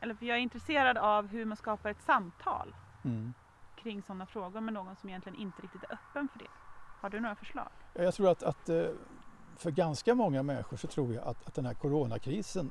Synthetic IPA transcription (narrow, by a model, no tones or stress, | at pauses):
ʔɛlːəɾfœjɑːɡæɾɪnt̪ɾɛseːɾad̪avɦɵɾmanskɑːpaɾɛt̪samːt̪ʰɑ̰ːl | kʰɾɪŋːsɔnːafɾoːɡʊɾmɛnoːɡɔnsɔmɪjɛnlɪɡənʔɪnt̪əɾɪkt̪ɪt̪æɾʔœpːənfœɖɛ̰haɖɵnoːɾafœʂɭɑ̰ːɡ̥jɑːjat̪ʰɾuːɾat̪at̪ | fœɾɡanskamɔŋːamɛnɧʊʂɔt̪ʰɾuːɾjaʔa̰t̪ʰat̪̚d̪ɛnhæɾkʰʊɾoːnakʰɾiːsən